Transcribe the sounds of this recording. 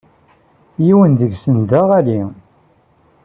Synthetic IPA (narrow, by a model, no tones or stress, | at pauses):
jiwənðəɡsənd̪aʁæli